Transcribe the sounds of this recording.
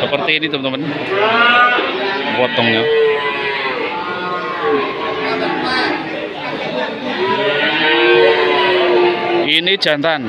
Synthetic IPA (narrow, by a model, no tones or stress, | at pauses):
səpərt̪iːnit̪əmt̪əmən | pɔt̪ɔŋɲɔ | ʔinid̥ʒ̥a̤nt̪an